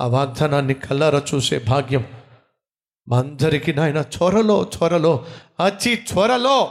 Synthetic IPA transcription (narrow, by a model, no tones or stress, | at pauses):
ɐ̰ʋaːɡ̚d̪ʱananikʰɐlɐɾɐt͡ʃusḛːbʱaːɡjɐm | maːnd̪ʱɐɾikinaːinat͡ʃʰoɾɐloːt͡ʃʰɔɾɐloɐt͡ʃʰit͡ʃʰɔɾɐlo